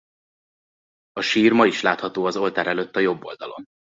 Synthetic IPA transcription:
ɒʃiːrmɒiʃlaːt̪hɒt̪oːɒzo̞lt̪aːɾɛløt̪ːɒjo̞bːo̞̰ld̪ɒlo̞̰n

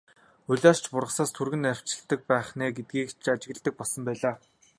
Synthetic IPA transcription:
ɵɮʲaːrt͡ɕpʊrʁə̆χsaːst̪ʰurɣɘ̆nar̥ʲt͡ɕɪ̆ɬt̪ə̆k̚pæːχnæːɡet̪̚ɡiːkt͡ɕʰat͡ɕɪ̆ɣə̆ɮt̪ə̆k̚pɔɮsɞ̆mpæːɮaː

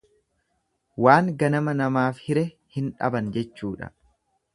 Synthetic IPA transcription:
waːŋɡɐnɐmɐnɐmaːfhɪɾɛ | hɪnᶑɐ̰bɐnd͡ʒɛt͡ʃːuːᶑɐ̰

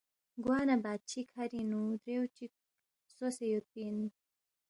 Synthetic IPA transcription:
ɡwɑːnabaːd̪̚t͡ʃʰikʰaɾinud̪ɾewt͡ʃik̚ | sosejop̪̚inu

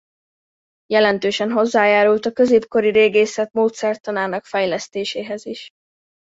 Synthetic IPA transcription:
jɛlɛnt̪øːʃɛnɦo̞zːaːjaːɾult̪ɒkøzeːpko̞ɾiɾeːɡeːsɛt̪moːt̪sɛrt̪ɒnaːnɒkfɛjlɛst̪eːʃeːɦɛziʃ

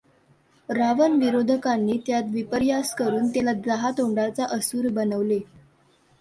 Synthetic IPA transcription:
ɾaʋənʋiɾod̪ʱəkanːiːt̪jat̪ʋipəɾjaskəɾuːnt̪jalad͡zaɦat̪oɳɖat͡saʔəsuːɾbənəʋle

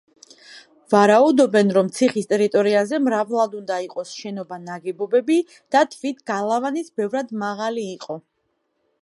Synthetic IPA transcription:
vaɾaud̪ɔbɛnɾɔmt̪sʰiχist̪ʼɛɾit̪ʼɔɾiazɛmɾavlˠad̪und̪aiqʼɔsʃɛnɔbanaɡɛbɔbɛbi | d̪̥at̪ʰvit̪ʰɡalˠavanisbɛvɾad̪maʁaliːqʼɔ

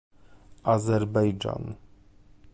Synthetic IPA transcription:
azɛɾbɛjd͡ʒa̰n

